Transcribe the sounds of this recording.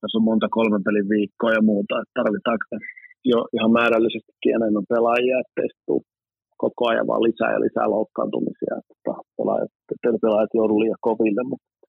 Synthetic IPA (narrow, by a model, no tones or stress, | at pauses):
t̪æsommont̪ɑkolmempeliʋʋiːkːoːjɑmuːt̪ɑet̪t̪ɑrʋit̪ˑɑːkjoʔihɑmmæːɾælːisest̪i̥kkːienemːæmpelɑjiɑet̪ːḛist̪ːṵː | kokoɑjɑ̰ʋɑ̰ːlisæ̰ːjɑ̰lʔisæ̰ːloukːɑ̰ːnt̪umḭsḭɑ̰t̪ːo̥t̪ɑpḛlɑ̰jɑ̰t̪et̪ːeˑlpelɑjɑt̪joutuliːjɑkkoʋilːemmut̪